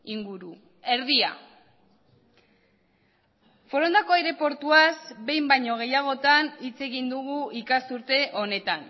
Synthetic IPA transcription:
iŋɡuɾu | e̞ɾð̞ia̰ | fo̞ɾo̞nd̪akoajɾe̞po̞ɾt̪uazbe̞jmbajɲo̞ɣ̞e̞jaɣ̞o̞t̪anit͡se̞ɣind̪uɣ̞uikasuɾt̪e̞ʔo̞ne̞t̪an

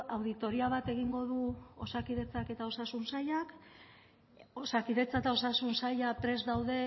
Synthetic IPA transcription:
awðit̪o̞ɾiaβ̞at̪e̞ɣiŋɡo̞ðuosakiðe̞t͡sake̞t̪ao̞sasunsajak | osakiðe̞t͡saet̪ao̞sasunsaʎapɾe̞zd̪awðe̞

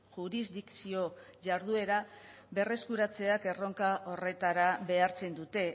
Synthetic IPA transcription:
ʝuɾizd̪ikt͡sio̞ʝaɾðue̞ɾa | βe̞re̞skuɾat͡se̞ake̞ro̞ŋkaʔo̞re̞t̪aɾaβe̞aɾt͡se̞nd̪ut̪e̞

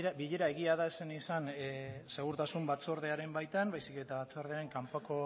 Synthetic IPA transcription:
biʎe̞ɾae̞ɣiaðaesenisanse̞ɣuɾt̪asumbat͡so̞ɾð̞eaɾe̞mbajt̪anbajsike̞t̪aβat͡soɾðeaɾe̞ŋkampako̞

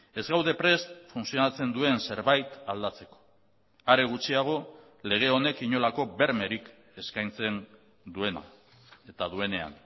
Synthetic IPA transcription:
e̞zɣawðe̞pɾe̞st̪funsio̞nat͡se̞nd̪ue̞nse̞ɾβajt̪ald̪at͡se̞ko̥ | aɾeɣ̞ut͡siaɣ̞o̞ | le̞ɣ̞e̞o̞ne̞kiɲo̞lako̞βe̞ɾme̞ɾik | e̞skajnt͡se̞n | d̪ue̞na̰ | e̞t̪aðue̞ne̞a̰n

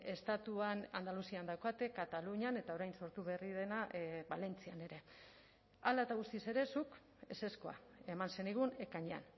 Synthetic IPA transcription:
e̞st̪at̪uanand̪alusiand̪awkat̪e̞kat̪aluɲane̞t̪ao̞ɾajnso̞ɾt̪uβe̞rið̞e̞naʔβale̞nt͡siane̞ɾe̞ | alae̞t̪aɣ̞ust̪ise̞ɾe̞suk | ese̞sko̞a̰emanse̞niɣ̞une̞kaɲea̰n

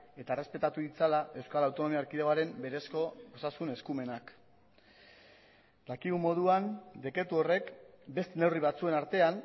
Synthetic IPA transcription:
e̞t̪aere̞spe̞t̪at̪uðit͡salaʔe̞wskalawt̪o̞no̞miaɾkiðeɣoaɾe̞mbe̞ɾesko̞bo̞sasune̞skume̞nak | d̪akiɣumo̞ð̞uand̪e̞kɾe̞t̪uo̞re̞kbe̞st̪ene̞wriβ̞at͡sue̞naɾt̪e̞an

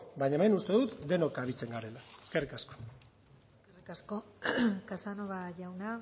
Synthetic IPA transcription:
baɲaemenust̪e̞ðut̪d̪e̞no̞kaβit͡se̞ŋɡaɾe̞laeskerikasko̥ | eskerikasko̞kasanoɣaʝawna

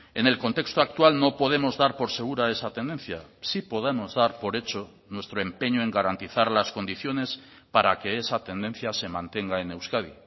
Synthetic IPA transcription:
e̞ne̞lko̞nt̪e̞kst̪oak̚t̪walnopo̞ð̞e̞mo̞zðaɾpo̞ɾse̞ɣ̞uɾae̞sat̪e̞nd̪e̞nθjasipo̞ð̞emo̞zðaɾpo̞ɾe̞t͡ʃo̞ | nwe̞st̪ɾo̞e̞mpe̞ɲoe̞ŋɡaɾant̪iθaɾlasko̞nd̪iθjo̞ne̞s | paɾake̞esat̪e̞nd̪e̞nθjase̞mãnt̪e̞ŋɡae̞ne̞wskaðḭ

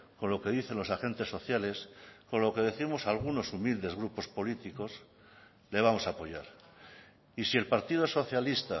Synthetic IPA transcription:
ko̞nlo̞ke̞ðiθe̞nlo̞saxe̞nt̪e̞sːo̞θjale̞sko̞nlo̞ke̞ðe̞θimo̞salɣ̞uno̞sumild̪e̞zɣɾupo̞spo̞lit̪iko̞s | le̞β̞amo̞sapo̞ʝaɾ | isie̞lpaɾt̪ið̞oso̞θjalist̪a

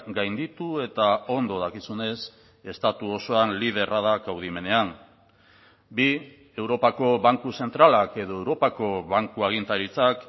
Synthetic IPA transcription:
ɡajnd̪it̪ue̞t̪ao̞nd̪o̞ð̞akisune̞s | e̞st̪at̪uo̞so̞anlið̞e̞raðakawð̞ime̞ne̞an | bi | e̞wɾo̞pako̞βaŋkuse̞nt̪ɾalake̞ðo̞ewɾo̞pako̞βaŋkuaɣ̞int̪aɾit͡sak

